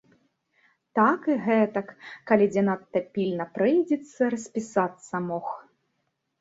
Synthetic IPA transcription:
t̪akɨɣɛt̪ɐkːalʲid͡zʲɛnat̪ːɐpʲilʲnɐpɾɨjd͡zʲɛt̪sːɐɾɐsʲpʲisat̪sːɐmɔx

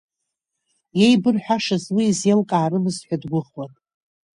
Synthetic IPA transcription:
je̞jbɨrħʷᶣaʂɨzwiːzjelkʼaːrɨmɨzħʷᶣadɡʷʊχwatʼ

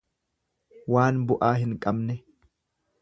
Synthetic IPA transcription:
waːnbʊʔaːɦɪŋkʼɐbnɛ

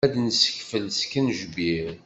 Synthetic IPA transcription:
æd̪nsə̥çfəlskːənʒbiɾ

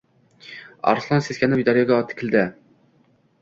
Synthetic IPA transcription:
ɑ̰ɾslˠɑnseskʲɛnɪpid̪ɑɾjɑɡʲɑɑt̪ʰːɪ̥kʲʰɪld̪ɪ

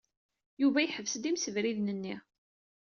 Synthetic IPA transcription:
juvæjħəvsd̪imsəvɾiðnənːi

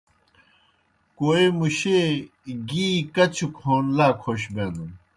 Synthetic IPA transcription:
koːemuɕe | ɡiːkɐt͡ɕʰukʰoːnlaːkʰoɕ̬bẽːnd̪un

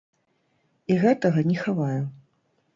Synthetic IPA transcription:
iɣɛt̪ɐɣɐnʲɛxavaju

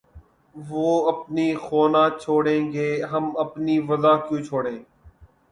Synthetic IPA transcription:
ʋoːəpniːxoːnãːt͡ʃʰoːɽẽːɡeːɦəməpniːʋəzaːkjũːt͡ʃʰoːɽẽː

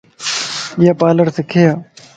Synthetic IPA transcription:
jaːpaːləɾsɪkʰejaː

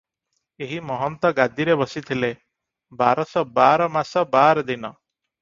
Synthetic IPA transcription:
eɦimɔɦɔnt̪ɔɡad̪iɾebɔsit̪ʰile | baɾɔsɔbaɾɔmasɔbaɾɔd̪inɔ

